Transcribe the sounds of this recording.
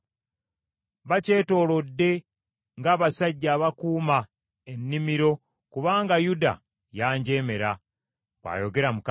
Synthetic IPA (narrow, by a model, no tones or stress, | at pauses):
βace̞ːto̞ːlo̞dːe̞ | ŋɡaːβasaɟːaːβakuːma | enːimiɾo̞ | kuβaːŋɡajuda̰ | jaːɲɟe̞ːme̞ɾa | wa̰ːjo̞ɡe̞ɾamuk